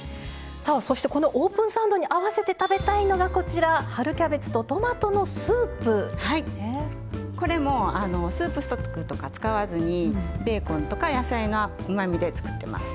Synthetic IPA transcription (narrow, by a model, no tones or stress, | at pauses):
saːso̞ɕi̥t̪e̞ko̞no̞ʔoːpɯ̟̃ɰ̃sãɯ̃nd̪o̞ɲ̟iʔaβase̞t̪e̞t̪abe̞t̪aino̞ɡako̞t͡ɕiɾahaɾɯ̟kʲabe̞t͡sɨ̥t̪o̞t̪o̞mat̪o̞no̞sɨːpɯ̟haie | ko̞ɾe̞mo̞ano̞sɨːpɯ̟sɨ̥t̪okːɯ̟t̪o̞kat͡sɨ̥kaβazɨɲ̟ibe̞ːkõ̞nt̪o̞kajasaino | ɯ̟mamʲid̪e̞t͡sɨ̥kɯ̟̥t̪ːe̞ma̰sɨ̥